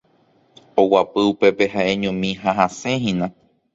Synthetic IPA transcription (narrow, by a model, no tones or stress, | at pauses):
owapɨupe̞pe̞ɦaʔeɲõmĩɦaɦaseɦĩnã